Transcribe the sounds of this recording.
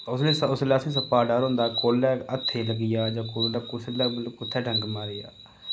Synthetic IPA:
ʊsleːsʊsləsĩːs̬əpaːɖaːɾõːnd̪aːkoːlːɛːət̪ʰːeːləɡɪjaːd͡ʒãːkoːlɛkʊt͡ʃlɛːlpʊt̪ʰːɛːɖʱəŋɡmaːɾɪja̰ː

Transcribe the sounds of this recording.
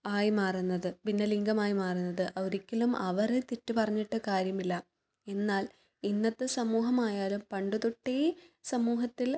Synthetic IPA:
aːjmaːrunːɐðɨpinːɐliŋɡɐmaːjimaːrunːɐðɨʔɐʋoɾikʲːɐlumʔɐʋɐrɨt̪itːupɐrɐɲːiʈːɨkaːɾjɐmilːɐ | e̞nːaːl | inːɐt̪ːɨsɐmuːɦɐmaːjaːlumpɐɳɖuðuʈːesɐmuːɦɐt̪ːil

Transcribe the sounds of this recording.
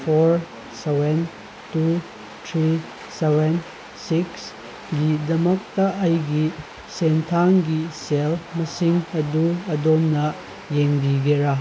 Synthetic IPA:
pʰoɾ | seben | tu | tʰɾi | seben | siks | ɡidɐmɐk̚tɐʔːjɡi | sentʰaŋɡiselmɐsiŋɐduɐdomnɐ | jeŋbiɡeɾɐ

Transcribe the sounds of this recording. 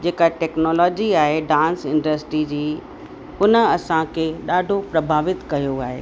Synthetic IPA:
d͡ʑeːkaʈɛːknɔːlɔːd͡ʑiaːɦeɖãːnsɪ̃nɖəsʈɾid͡ʑiː | hʊnə̆ɐsãkʰeːɗaːɖʱopɾɐbʱaːʋɪt̪kɐjoaːɦḛː

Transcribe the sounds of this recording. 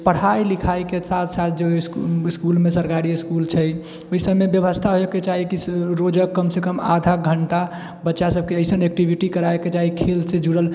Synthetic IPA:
pəɽ̤ailikʰajkesat̪ʰsat̪ʰd͡ʒesskulmẽsəɾkaɾiiskult͡ʃʰɛj | oɦisəbmebjəbəst̪ʰaɦoeket͡ʃaɦikiɾod͡ʒəkːəmsekəma̰d̪ʱaɡʱəɳʈa | bətːʃasəb̚ʱkeəjsənek̚ʈibʱiʈikəɾaeket͡ʃaɦikʰelsed͡ʒuɽəl

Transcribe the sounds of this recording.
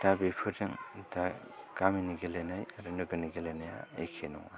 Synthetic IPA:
d̥abipʰɯɾdɯŋda | kaminiɡelenajaɾɯnɯɡɯniɡelejnaja̰ekʰenɔ̰ŋa

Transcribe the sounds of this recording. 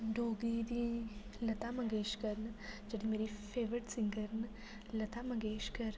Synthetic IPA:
ɖoːɡid̪ilɐt̪aːmɐɡeːʃkɐɾnd͡ʒɐɽimeːɾifʰeːʋɾiʈsiŋɡɐɾn | lɐt̪amɐɡeːʃkɐɾ

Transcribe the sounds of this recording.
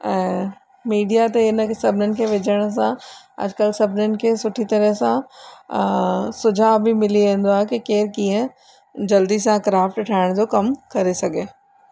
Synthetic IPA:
ɛ̃ː | miːɖijat̪eɪnəsɐbʱɪnənɪ̆kʰeʋɪd͡ʑʱəɽ̃s̬ã | ɐ̰d͡ʑkəlsɐbʱɪnənɪ̆kʰeːsʊʈʰit̪ɐɾəɦsã | sʊd͡ʑʱaːbɪmɪliẽːn̆d̪oaːɦekikeːɾkĩːə̃ | d͡ʑɐld̪isãkɾaːfʈʈʰaːɪɽ̃d͡ʑokɐmkɐɾesɐɡʱeː

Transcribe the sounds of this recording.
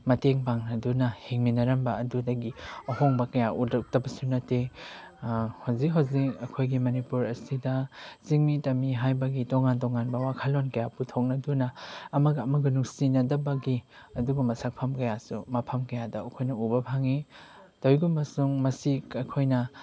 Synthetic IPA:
mɐteŋpaŋnɐdunɐhiŋminɐɾɐmbɐɐdudɐɡiɐhoŋbɐkɐjaʔudɐk̚tɐbɐsunɐte | hawzikɦawzikɐkʰojɡimɐnipuɾɐsidɐsiŋmitɐmiɦajbɐɡitoŋantɔŋanbɐwakʰalonkɐjaputʰok̚nɐdunɐːmɐɡɐːmɐɡunuŋsinɐdɐbɐɡi | ɐduɡɐmɐsak̚pʰɐmkɐjasumɐpʰɐmkɐjadɐɐkʰojnɐubɐpʰaŋi | towjɡumɐsuŋmɐsikɐjkʰojnɐ

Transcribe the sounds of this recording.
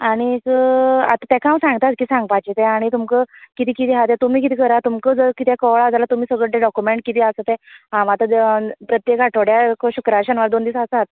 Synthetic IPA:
aɽ̃ikəa̰t̪ãt̪ɛ̃kʰaãwsãŋɡt̪at̪̚kiːsãŋɡ̚pat͡ɕit̪ɛ̃aɽ̃it̪umkəkit̪ʰiːkit̪iɦat̪ɛt̪um̤iːk̬it̪ʰiːkəɾat̪umkəd͡zəkit̪ʰjakəʋɭad͡zalat̪um̤iːsəɡɭəeɖɔkjumeɳʈ̚kit̪ʰiasət̪ɛ̃ɦãmat̪əpɾət̪jekaʈʰoɽjakɕukɾaɕənʋaɾd̪ond̪iːsasat̪̚

